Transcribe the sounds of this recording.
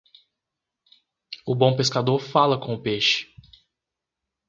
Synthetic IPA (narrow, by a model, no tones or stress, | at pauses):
ʊbõpeskad̪oɾfalɐkõʊpeʃɪ̥